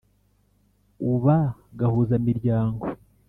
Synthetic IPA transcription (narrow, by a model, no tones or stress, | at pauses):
uβaɡahuːzamiɾɟaːŋɡo̞